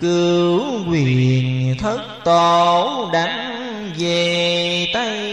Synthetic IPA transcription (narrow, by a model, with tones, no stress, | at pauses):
kɨ˧wkwi˧˩˨ənt̪ʰə˦˥t̚t̪o˨˧˩ɗa˨˦ŋ̟ | ve˨˩t̪a˧j